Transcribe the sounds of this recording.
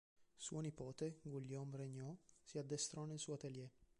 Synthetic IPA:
sṵɔnipɔt̪eŋɡuljɔmrɛɲɔsiad̪ːɛst̪ɾɔnɛlsuat̪eljɛ

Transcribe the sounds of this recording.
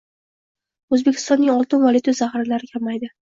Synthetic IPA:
ɵzbe̞kʲʰɪst̪ɒnːɪŋɒlˠt̪ɪnvɒlʲˠɪt̪ʰozahɾɪlaɾɪkʲʰamajd̪ɪ

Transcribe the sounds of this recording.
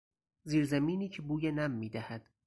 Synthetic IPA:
ziːɾzæmiːniːcʰebuːjenæmːiːd̪æhæd̪̥

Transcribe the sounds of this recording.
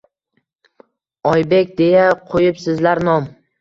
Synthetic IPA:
ɒjbe̞kʲd̪e̞jaqʰojɪpsɪzlaɾnɒm

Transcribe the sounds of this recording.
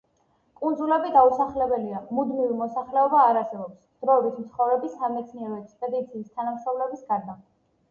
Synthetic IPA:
kʼund̪zulɛbid̪ausaχlɛbɛliamud̪mivimɔsaχlɛɔbaːɾasɛbɔpsd̪̥ɾɔɛbit̪mt̪sʰχɔvɾɛbisamɛt̪sʰniɛɾɔɛk̪spʼɛd̪it̪sʰiːst̪ʰanamsaulɛbisɡaɾd̪a

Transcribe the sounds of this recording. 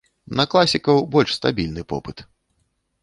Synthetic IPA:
nɐklˠasʲikɐwbɔlʲʂst̪abʲilʲnɨpɔ̰pɨt̪

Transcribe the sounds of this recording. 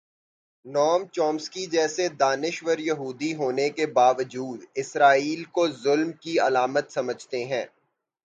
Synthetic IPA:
nɔːmt͡ʃɔːmskid͡ʒɛːsed̪aːnɪʃwəɾjɐɦuːd̪iɦoːnekebaːʋəd͡ʒuːd̪ɪsɾaːiːlkozʊlmkiɐlaːmət̪sɐməd͡ʒʱt̪eɦɛ̃ː

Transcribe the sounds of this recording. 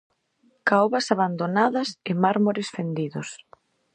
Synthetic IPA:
kawβɐsaβand̪onaðɐsɪmaɾmoɾɪsfend̪iðʊs

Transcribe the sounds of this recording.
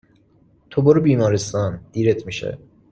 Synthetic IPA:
t̪ʰoboɾubiːmɒːɾest̪ɒnd̪iːɾet̪ʰmiʃḛ

